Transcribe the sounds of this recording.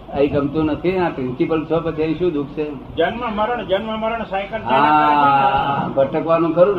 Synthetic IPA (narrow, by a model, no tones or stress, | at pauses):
əĩkəmt̪ũnət̪ʰiãpɾɪnsipəlt͡ʃʰopət͡ʃʰiəĩʃũd̪ukʰt͡ʃʰe | d͡ʒənməməɾəɳd͡ʒənmə̃məɾəɳsajkəlɦa | bʱəʈəkʋanũkəɾũ